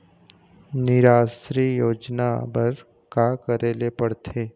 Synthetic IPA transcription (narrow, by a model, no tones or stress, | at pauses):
nɪɾaːsɾiːjoːd͡ʒna̰bəɾ | kakəɾeːlepəɽt̪ʰeː